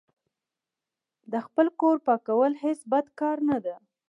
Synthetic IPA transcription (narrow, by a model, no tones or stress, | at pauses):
d̪əxpəlkoɾpɑkawəlhesbad̪kɑɾnad̪a